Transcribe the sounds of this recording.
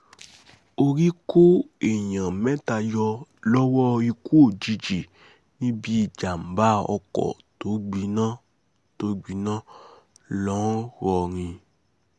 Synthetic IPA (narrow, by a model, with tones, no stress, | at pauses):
o˧ɾi˦ko˦e˨jã˨mɛ̃˦ta˧jɔ˧lɔ˦wɔ˦i˧ku˦o˦˨d͡ʒi˧d͡ʒi˨ | nĩ˦bi˦i˦˨d͡ʒa˨m̩˨ba˦ɔ̰˧kɔ̰˨to˨˦ɡ͡bi˧˦nãː˦ | to˨˦ɡ͡bi˨˧˦nãː˦ | lɔ̃˦ɾɔ˧ɾ̃ĩ˧